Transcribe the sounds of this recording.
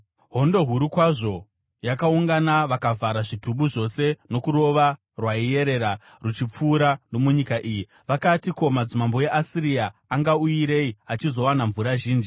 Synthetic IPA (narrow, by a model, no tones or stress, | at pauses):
ɦo̞ndo̞ɦuɾukwaʐo̞ | jakauŋɡanaʋakavaɾaʐituɓuʐo̞se̞no̞kuɾo̞ʋa | rwaije̞ɾe̞ɾa | rut͡ʃip͡fuːɾano̞muɲikaʔiji | ʋakatiko̞mad͡zimambo̞jeʔasiɾiaːŋɡauiɾe̞iat͡ʃizo̞wanaɱvuɾaʒiːnd͡ʒi